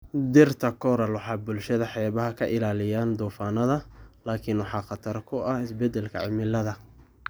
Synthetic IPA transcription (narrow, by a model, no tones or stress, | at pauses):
d̪ɪrt̪ʰɐkʰɔɾɐlwɑħɑːbʊlʃɐðɐħɛːβɐɦɐkʰɐʔɪlaːlɪjaːnd̪ɔːfaːnɐðɐlaːkʰɪnwɑħɑːχɑt̪ʰɐrkʰʊɐhɪsbɛd̪ɛlkʰɐ̰ʕɪ̰mɪlɐðɐ